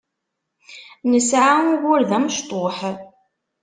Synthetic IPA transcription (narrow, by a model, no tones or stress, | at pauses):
nəsʕanwʊɾðæmʃt̪ˤoħ